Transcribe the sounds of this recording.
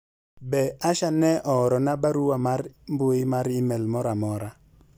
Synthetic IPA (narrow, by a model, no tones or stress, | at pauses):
bɛaʃanɛʔɔɾɔnabaɾuwamaɾmboɪmaɾɪmɛlmɔɾamɔɾa